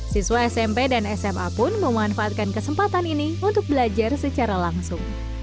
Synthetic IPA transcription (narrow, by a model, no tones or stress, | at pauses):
siswaɛsɛmpedanɛsɛma̰pʊnməmanfaat̪̚kankəsəmpat̪aniniunt̪ʊk̚bəlad͡ʒarsət͡ʃaɾalaŋsʊŋ